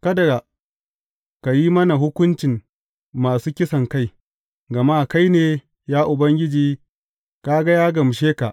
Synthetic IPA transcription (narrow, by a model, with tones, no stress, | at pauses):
kɐ˦dɐ˨ɡa˨ | ka˨jiː˦mɐ˦na˨ɦʊ˦kʷʊ˦nt͡ʃɪ˨ŋ | maː˨suː˦kʲɪ˦sɐ˨ŋka˦j | ɡɐ˨maː˦ka˦jneː˨ | jaː˦ʔʊ˨bɐ˦ŋɡʲɪ˦d͡ʒiː˦ | kaː˦ɡa˦jaː˦ɡɐ˨m˨ʃeː˦ka˨ʔ